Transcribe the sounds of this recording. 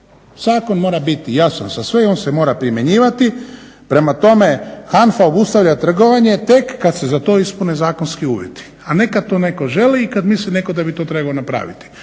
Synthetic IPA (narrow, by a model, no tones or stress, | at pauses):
z̥aːko̞nmo̞ːɾabit̪ijasansasʋeo̞ːnsemoːɾapɾimje̞ɲiːʋat̪i | pɾe̞mat̪o̞me̞xanfaobust̪aʋʎat̪r̩ɡo̞ʋaɲe̞t̪e̞kːad̪se̞zat̪o̞ːispunezaːkonskiuːʋjḛt̪i̥ | ane̞kad̪̚t̪one̞ko̞ʒe̞liːkad̪misline̞ko̞d̪abit̪o̞ːt̪ɾe̞baonapɾa̰ːʋḭt̪i̥